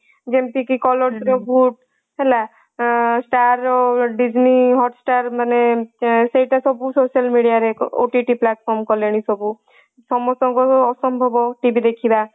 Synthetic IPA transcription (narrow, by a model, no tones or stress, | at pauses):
d͡ʒemp̪ikikɔlɔsɾɔbʱuʈ̚ | ɦela | sʈaɾɖid͡ʒniɦɔʈsʈaɾmanesejʈasɔbusoʃalmiɽijaɾeo̰ʈiʈiplaʈpʰɔɾmkɔleñisɔbu | sɔmɔsɔŋkɔɔsɔmbʱɔbɔʈibid̪ekʰiba